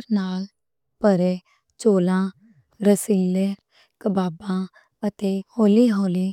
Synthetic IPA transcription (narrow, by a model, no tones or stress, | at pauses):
ɾnaːl | pəɾeː | t͡ʃoːlãː | ɾəsiːle | kəbaːbãː | ət̪eːhoːliːɦoːliː